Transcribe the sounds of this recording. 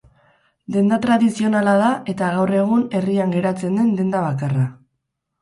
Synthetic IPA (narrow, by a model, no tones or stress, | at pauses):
d̪e̞nd̪at̪ɾaðisio̞nalaðaʔe̞t̪aɣawre̞ɣ̞une̞riaŋɡe̞ɾat͡se̞nd̪e̞nd̪e̞nd̪aβ̞akara